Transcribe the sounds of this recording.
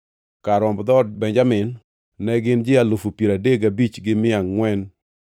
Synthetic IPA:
kaɾɔmbd̪ɔdbɛɲd͡ʒamɪnː | ɛɡɪnd͡ʒɪalofupjeɾadeɡabit͡ʃɡɪmɪaŋːwɛn

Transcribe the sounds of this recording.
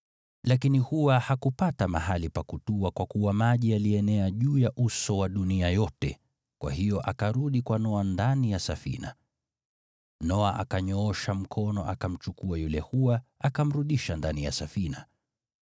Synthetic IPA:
lakinihuwahakupatamaɦalipakutuakwakuwamaʄialiɛnɛaʄuːjaʔusɔwaɗuniajɔtɛ̰ | kwa̰hijɔʔakaɾuɗikwanɔandanijasafḭna̰ | nɔaʔakaɲɔɔʃam̩kʰɔnɔʔa̰kam̩t͡ʃukuajulɛhuaakam̩ɾuɗiʃandanija̰safina̰

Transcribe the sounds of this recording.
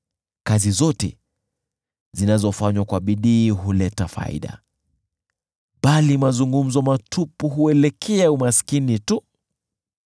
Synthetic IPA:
kazizɔtɛ̰ | zinazɔfaɲwakwaɓiɗiːɦulɛtafa̰ḭɗa̰ | ɓalimazuŋɡum̩zɔmatʰupuɦuɛlɛkʰɛɛumasi̥kinitu

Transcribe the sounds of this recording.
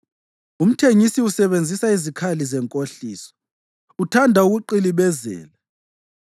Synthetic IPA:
um̩tʰeŋisiusɛβend͡zʱisaizikʰalizɛŋkʼoɬiːsɔ̥ | utʰandʱauɣuǃiliβɛzɛ̰ːla

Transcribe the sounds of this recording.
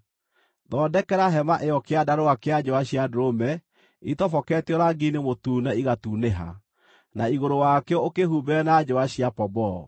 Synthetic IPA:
ðɔːdɛkɛɾaɦɛmaʔeɔkeadaɾoakead͡ʑɔaɕiadoɾomɛ | itɔfɔkɛtjɔɾaɡinemotuːnɛiɣatuːneɦa̰ | naiɣoɾowakɛɔokehubɛnad͡ʒɔaɕiapɔbɔ

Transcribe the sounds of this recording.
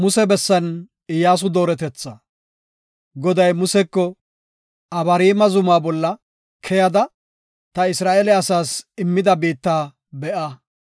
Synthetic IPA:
mʊsɛbɛsːɐn | ɪjːaːs̬ʊd̪o̞ːɾɛt̪ɛt͡sːɐ | ɡɔd̪ɐjmʊsɛkːɔ | ɐbɐɾiːmɐzʊmaːbɔlːɐ | kʰɛjɐd̪ɐ | t̪ɐɪsɾaːʔeːlɛɐsaːsɪmːɪd̪ɐbiːt̪ːaː | bɛʔɐ

